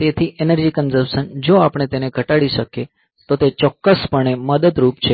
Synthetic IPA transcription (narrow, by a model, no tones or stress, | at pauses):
t̪et̪ʰiʔenəɾd͡ʒikənzəbsənd͡ʒoapɳ̃et̪eneɡʱəʈaɽiʃəke | t̪ot̪et͡ʃɔkːəspəɳ̃eməd̪əd̪ɾupt͡ʃʰe